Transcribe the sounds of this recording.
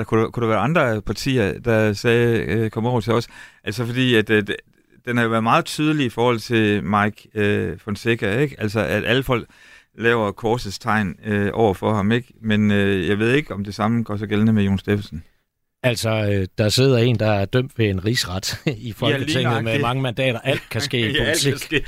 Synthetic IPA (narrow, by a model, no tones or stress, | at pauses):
d̥ɑ̈kʰukʰuɾ̥eʋæːɐɑ̈nd̥ʁɐpʰɑ̈t͡sʰḭːɐd̥ɑ̈sɛːkʰɒ̽mɒʊ̰ɐt͡sʰe̝ɒ̽sə̥ʔæl̰sɒfɒ̽d̥ḭːæd̥ | d̥enhɑ̈joʋæɐðˠmɑ̈ːð̞̩ˠt͡sʰyːð̞ˠəliifɒːhɒ̽l̰t͡sʰe̝lmɑ̈ɪɡ̥øfɒ̽nseɡ̥æeɡ̥æl̰sɒʔæd̥ʔæləfɒ̽l̰ɡ̥ | lɛːʊɐkʰɒːsəst͡sʰɑ̈ɪ̰nøʔɒʊ̰ɐfɒ̽hɑ̈me̝ɡ̥menøjɑ̈ɪʋe̝ð̞̰ˠe̝ɡ̥ɒ̽md̥e̝sɑ̈məɡ̥ɒ̰s̬ɒɡ̥elnəmejo̝ːn̩sd̥efsn̩ | ælsɒød̥ɑ̈se̝ð̞̰ˠɐe̝̰ːnd̥ɑ̈æɐd̥øm̰d̥ʋe̝enʁiːsʁɑd̥iflʰeŋð̩ˠmemɑ̈ŋəmænd̥ɛ̰ːɾ̥ɐʔæl̰d̥̚kʰæsɡ̥e̝̰ːiolilt͡sʰiæsɡ̥e̝̰ː